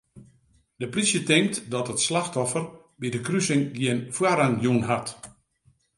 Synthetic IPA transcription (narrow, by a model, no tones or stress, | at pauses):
d̥əprisjətɪŋk̚tdɔtətslaxtɔfər | bidəkrysɪŋɡjɪənfwaɾaŋjunɦat